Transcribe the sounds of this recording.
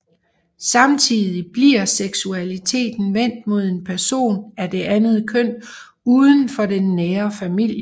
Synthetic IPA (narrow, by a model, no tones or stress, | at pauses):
sɑ̈mt͡sʰiðˠib̥liɐ̰seɡ̥suælit͡sʰe̝̰ːd̥n̩ʋen̰d̥mo̝ð̞̰ˠe̝npʰæɐso̝̰ːnæd̥e̝ʔænð̩ˠkʰœn̰ | uːðˠən̩fɒ̽d̥enːeːɐfæmil̰jə